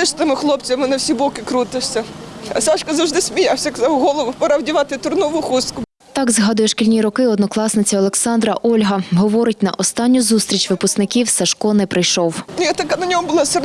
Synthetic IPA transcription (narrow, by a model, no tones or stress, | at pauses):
ɪʃt̪ɪmɪxlˠɔpt͡sʲɐmɪnɐwsʲibɔkɪkɾut̪ɪʃʲsʲɐ | ɐ̰sɑʃkɐzɐwʐd̪ɪsʲmʲɪjawsʲɐkɐzawɦɔlˠɔʋʊpɐɾɑwdʲiʋɑt̪ɪt̪ʊrnɔʋʊxuskʊ | t̪ɑɡzɦɑd̪ʊjɛʃkʲilʲnʲiɾɔkɪɔd̪nɔklˠɑsnɪt͡sʲɐɔlˠeksɑnd̪ɾɐʔɔlʲɦɐɦɔʋɔɾɪt̚ʲnɐ̰ʔɔst̪ɑnʲːʊzust̪ʲɾʲit͡ʃʲʋɪpʊsknɪkʲiwsɐʃkɔnɛpɾɪjʃɔwnʲjat̪ɐkanɐnʲɔmʊbʊlˠɑsɪr